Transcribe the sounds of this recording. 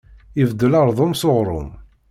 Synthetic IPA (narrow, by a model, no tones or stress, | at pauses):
ivd̪ːəlɑɾˤðˤʊmsoʁɾˤʊ̰m